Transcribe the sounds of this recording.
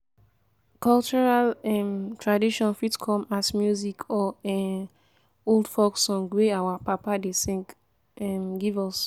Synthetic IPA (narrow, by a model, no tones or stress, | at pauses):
kɔlt͡ʃuɹalɛ̃mtʰɹadiʃɔ̃nfitkʰɔ̃masmjuzikʰɔɛ | oldfɔksɔ̃nɡweawapapadesĩŋk | ɛmɡivɔs